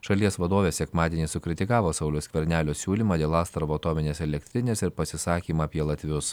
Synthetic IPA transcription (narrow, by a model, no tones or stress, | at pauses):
ʃɐlʲiɛsʋɐd̪oːʋʲeːsʲɛkmɑːd̪ʲeːnʲiːsʊkʲɾʲɪt̪ʲɪkɑːʋoːsɐʊlʲʊskʲʋʲɛɾʲnʲæːlʲoːsʲuːlʲimɑːd̪ʲeːlˠɑːst̪ɾɐʋoːɐt̪oːmʲɪnʲeːsɛlʲɛkʲt̪ʲɾʲɪnʲeːsɪɾpɐsʲɪsɑːkʲiːmɑpʲiɛlˠɐt̪ʲʋʲʊs